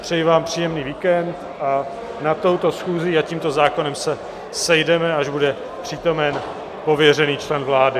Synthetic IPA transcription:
pr̝̥ɛjivaːmpr̥iːjɛmniːviːkɛnt̪ | ʔa | nat̪o̞wt̪o̞sxuːziaciːmt̪o̞zaːko̞nɛmsɛ | sɛjdɛmɛaʒbudɛ | pr̝̥it̪o̞mɛn | po̞vjɛrɛniːt͡ʃlɛnvlaːdɪ

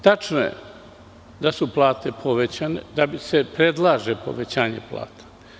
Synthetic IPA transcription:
t̪at͡ʃnojḛ | d̪asuplˠaːt̪e̞pʰo̞ʋet͡ɕanḛd̪abisepɾed̪lˠaːʒepo̞̰ʋet͡ɕaːɲḛpla̰ːt̪ḁ

